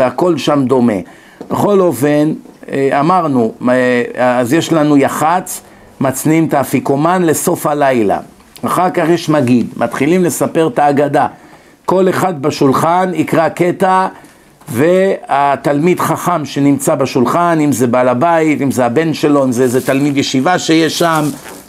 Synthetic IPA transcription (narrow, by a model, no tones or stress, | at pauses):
veako̞lʃamd̪o̞me̞̰ | beχo̞lo̞fe̞namaʁnu | azjeʃlanujaχat͡s | mat͡snimt̪afiko̞manle̞so̞fhalajla̰ | aχaʁkaχjeʃmaɡidmʔat̪χilimle̞sape̞ʁt̪aːɡad̪a | ko̞le̞χad̪̚baʃulχanikʁake̞t̪a | veat̪almid̪χaχamʃe̞nimt͡sabaʃulχanimzebalabait̪imzeabe̞nʃe̞lo̞imzezet̪almid̪jeʃivaʃejeʃːam